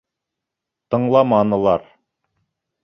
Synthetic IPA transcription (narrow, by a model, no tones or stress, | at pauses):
t̪ɤ̆ɴlˠɑmɑnɤ̆lˠɑɾ